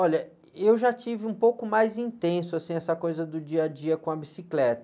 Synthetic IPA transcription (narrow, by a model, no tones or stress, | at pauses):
ɔʎɐ | ewʒat͡ʃivɪũpowkʊmajzĩt̪ẽsʊasĩɛsɐkojzɐd̪ʊd͡ʒiɐd͡ʒiɐkõɐbisiklɛt̪ɐ